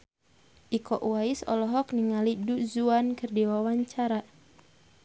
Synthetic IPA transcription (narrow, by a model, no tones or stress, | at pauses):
ʔikɔʔuaisɔ̰lɔɦɔkniŋaliduzuankɨrdiwawaɲt͡ʃaɾa